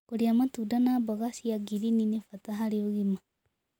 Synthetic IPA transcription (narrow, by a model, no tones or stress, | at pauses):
koɾiamatudanaːbɔɣasijaɡiɾininefataɦaɾeoɣima